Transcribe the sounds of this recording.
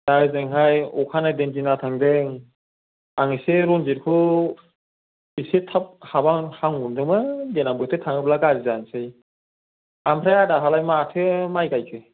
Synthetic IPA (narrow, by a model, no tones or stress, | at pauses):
d̥azɯŋɦajɔkʰanadenzinatʰaŋdɯŋ | aŋɯseɾɔnziɾkʰɯ | isetʰap̚habaŋhaŋundɯŋmɯdenambɯtʰɯtʰaŋɯplaɡaɾizansɯj | ampʰɾajadaɦalajmatʰɯmajkajkʰɯ